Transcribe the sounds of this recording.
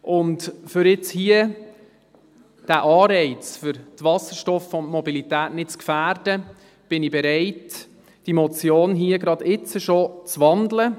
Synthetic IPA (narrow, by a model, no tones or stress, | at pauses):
ʔʊntfʏɾɪt͡shiə | d̥æʔɑːɾɛɪt͡sfʏɾtvɑsəɾʃtɔfontmɔbilitæːtnɪt̚t͡skfæːɾd̥ə | b̥ɪnibɛɾɛɪt | d̥imɔt͡sjoːnɦiəɡɾɑd̪ɪt͡səʃot͡sʋɑndlə